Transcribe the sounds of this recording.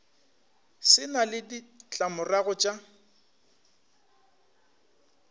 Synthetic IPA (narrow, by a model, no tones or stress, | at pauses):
sɪnalɪdit͡ɬʼamʊraɣɔt͡ʃʼa